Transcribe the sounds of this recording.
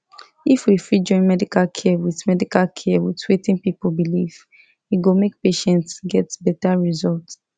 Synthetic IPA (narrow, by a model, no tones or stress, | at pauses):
ifwifɹid͡ʒɔ̃ɪ̃nmɛdikalkʰɛwiðmɛdikalkʰɛwitʰwetĩnpipolbiliv | iɡomek̚peʃɛ̃ntsɡɛtbɛtaɹizɔlt